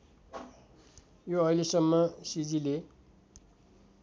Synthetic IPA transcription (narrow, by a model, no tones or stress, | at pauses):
joʌilesʌmːʌsid͡zile